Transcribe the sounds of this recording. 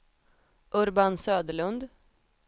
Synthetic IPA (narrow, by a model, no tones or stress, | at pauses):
ʔɵɾbansøːd̪əɭɵnd̪